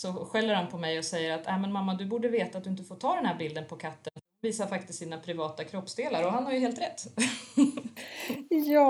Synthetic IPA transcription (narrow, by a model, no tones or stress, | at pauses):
sɔɧɛlːəɾhanpʰɔmɛjɔsɛjːəɾat̪ɛmɛnmamːad̪ɵbuːɖəveːt̪at̪d̪ɵɪnt̪əfoːʈʰɑːd̪ɛnhæːɾbɪld̪ənpʰɔkʰat̪ːənnviːsaɾfak̚t̪ɪst̪siːnapʰɾɪvɑːt̪akʰɾɔpːsd̪eːlaɾɔɦanhaɾjɵheːlt̪ɾɛt̪ː | jɑː